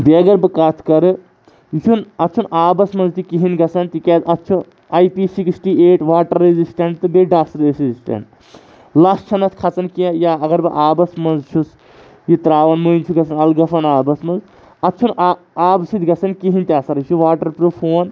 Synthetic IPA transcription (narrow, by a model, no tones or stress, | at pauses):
beɡɐɾbɨkaːt̪ʰkɐɾɨ | jit͡ʃʰunɐtːt͡ʃʰunaːbɐsmɐnzt̪ikiɦinɡɐt͡sʰɐnt̪ikɛːt̪ɐtːt͡ʃʰu | ɐjpiːsiksʈiːeːʈʋaːʈɐɾːezisʈɐɳʈt̪ɨbeɖaːsɾesizisʈɐ̰ɳʈ | laːst͡ʃʰɐnɐt̪kʰɐt͡sɐnkiajaɐɡɐɾbɨʔaːbɐsmɐnzt͡ʃʰus | jit̪ɾaːʋɐnmoint͡ʃʰuɡɐt͡sʰɐnɐlɡɐfɐnaːbɐsmɐnz | ɐtːt͡ʃʰun | aːbsid̪ɡɐsʰɐnkiɦinʲt̪ʲiaːsɐɾjit͡ʃʰuʋaːʈɐɾpɾufʰoːn